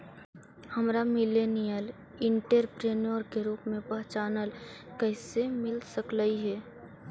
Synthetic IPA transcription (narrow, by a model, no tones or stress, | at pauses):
həmɾamɪleːnijəl | ɪ̃ɳʈəɾpɾeːnoɾkeɾuːpmẽpɐɦt͡ʃaːnəlkɛɪsemɪlsəklaiɦɛː